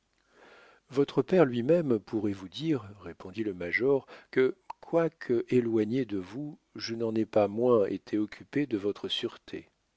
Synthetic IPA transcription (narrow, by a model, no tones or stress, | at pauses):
vɔt̪χəpɛʁlɥimɛmpʰuʁɛvud̪iʁːepʰɔ̃d̪iləmaʒɔʁkəkʰwakʰəʔelwaɲed̪əvu | ʒənɑ̃nɛpamwɛ̃ḛt̪ʰeɔkʲyped̪əvɔt̪χəsyʁt̪ʰḛ